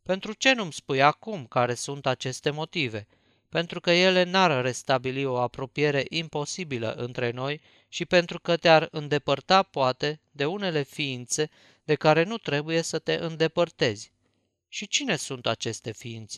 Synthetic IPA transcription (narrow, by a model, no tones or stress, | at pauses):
pe̞nt̪ɾut͡ʃe̞numspujakumkaɾe̞sunt̪at͡ʃe̞st̪e̞mo̞t̪ive̞ | pe̞nt̪ɾukəje̞le̞narːe̞st̪abilio̞apɾo̞pije̞ɾe̞ʔimpo̞sibilə̰ʔɨnt̪ɾe̞no̞j | ʃipe̞nt̪ɾukət̪earɨnd̪e̞pərt̪apoat̪e̞d̪e̞une̞le̞fiint̪se̞ | d̪e̞kaɾe̞nut̪ɾe̞buje̞sət̪e̞ʔɨnd̪e̞pərt̪e̞zʲ | ʃit͡ʃine̞sunt̪at͡ʃe̞st̪e̞fiint̪se